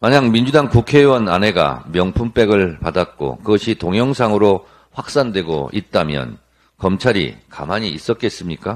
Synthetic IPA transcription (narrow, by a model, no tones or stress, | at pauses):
maɲaŋmind͡ʑudaŋkukʰewʌna̰ne̞ɡa̰mjʌŋpʰump͈e̞ɡɯɭpadat̚k͈o̰kɯɡʌɕʰitoŋjʌŋsʰaŋɯɾo | ɸwak̚s͈andwe̞ɡo̰it̚t͈amjʌ̰n | kʌmt͡ɕʰaɾḭka̰maɲiis͈ʌt̚k͈e̞s͈ɯmɲik͈a